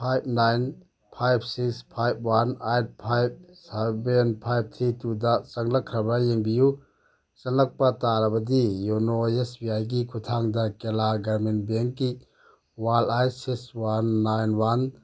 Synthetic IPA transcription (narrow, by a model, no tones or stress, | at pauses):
pʰajb̚najn | pʰajb̚ʰsikspʰajb̚ʰwanajt̚pʰajb̚sabenpʰajb̚t̪ʰitudasɐŋlɐkʰːɾɐbɾajeŋbiju | sɐnɐk̚pataɾɐbɐd̪ijunoesbiajɡikʰut̪ʰaŋd̪akelaɡɐɾminbeŋkːi | walajtsikswanːajnwan